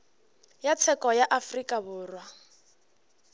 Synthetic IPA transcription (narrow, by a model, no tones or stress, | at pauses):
jat͡sʰɛkʼɔjaʔafrikʼaβʊːrwa